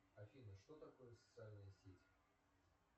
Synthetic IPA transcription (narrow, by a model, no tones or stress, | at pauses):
ɐfʲinəʂt̪o̞t̪ɐko̞jəsə̥t̪sɨalʲnəjəsʲetʲ